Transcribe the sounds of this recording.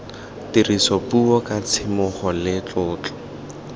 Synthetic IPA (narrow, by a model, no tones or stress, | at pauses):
tirisɔpuɔkat͡sʰɪmʊχɔlɪt͡ɬʊːt͡ɬɔ̥